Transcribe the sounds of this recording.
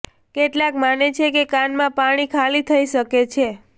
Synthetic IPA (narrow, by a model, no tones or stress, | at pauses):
keʈlãkmanet͡ʃʰekekãnmãpaɽ̃ikʰalit̪ʰəiʃəket͡ʃʰe